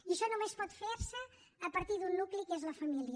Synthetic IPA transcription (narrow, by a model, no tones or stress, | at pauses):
iəʃɔnumespɔt̪feɾsəː | pəɾt̪iðunːuklikezləfəmiliə